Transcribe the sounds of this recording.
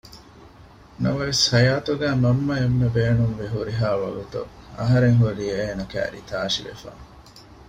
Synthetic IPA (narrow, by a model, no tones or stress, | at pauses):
nɐʋɐʋeshɐjaːt̪uɡæːmɐmːɐemːebeːnumʋeɦuɾiɦaːʋɐ̰ɡut̪ṵɐ̰ɦɐɾeŋɦuɾiːeːnɐkæ̰ːɾḭt̪aːʃiʋḛfa̰ː